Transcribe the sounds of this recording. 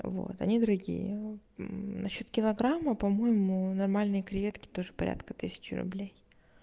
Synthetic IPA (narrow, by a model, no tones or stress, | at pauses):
vo̞̰t̪ɐ̰nʲid̪əɾɐɡʲḭjə | nɐɕːo̞t̪kʲɪlˠɐɡɾamːəpɐmo̞jɪmʊnɐrmalʲnɨjəkɾʲɪjʲet̪kʲɪ̥t̪o̞ʐɨpɐɾʲa̰t̪kət̪ɨsʲɪ̥t͡ɕɪɾʊ̰blʲej